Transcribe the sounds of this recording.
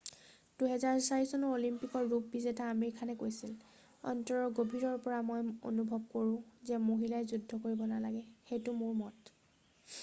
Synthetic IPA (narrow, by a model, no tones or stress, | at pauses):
d̥uɦɛzaɹsaɹisɔnɔolimpikɔɹːup̚bizɛtaːmeɹikʰanɛkojsil | ɔ̰ntɔɹɔɡobʱiɹɔɹpɔɹamɔjo̰nubʱɔb̚koɹʊ̃zɛmoɦilajzudʱːɔkoɹibɔnalaɡɛxejtʊmʊɹmɔt